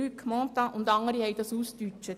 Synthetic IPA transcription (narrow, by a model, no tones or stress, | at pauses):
yːkʰmɔːt̪ɑʔʊnd̪ɑŋəɾihɛɪd̪ɑsuːst̪yt͡ʃt͡ʃət